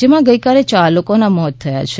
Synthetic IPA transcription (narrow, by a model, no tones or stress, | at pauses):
d͡ʒemãɡəjkalet͡ʃalokonamɔt̪ʰːəja̰t͡ʃʰe